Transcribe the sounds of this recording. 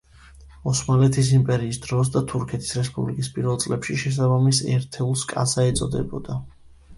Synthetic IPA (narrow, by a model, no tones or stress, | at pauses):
ɔsmalɛt̪ʰisimpʼɛɾiːsd̪ɾɔs̬d̪at̪ʰuɾkʰɛt̪ʰi̥sɾɛspʼublikʼispʼiɾvɛlt̪sʼlɛpʃiʃɛs̬abamisɛ̰ɾt̪ʰɛlˠskʼa̰saɛt̪sʼɔd̪ɛ̰bɔ̰d̪a